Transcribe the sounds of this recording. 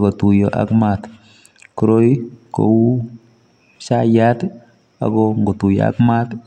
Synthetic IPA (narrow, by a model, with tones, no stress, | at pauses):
ɡɔ˨tu˨jɔ˨ʔa̰kmat | ku˦ɾo˦iko̰u˦ | ʃajat | a̰˨ɡɔŋɡo˨tu˨jɔ̰˨a̰kma˦t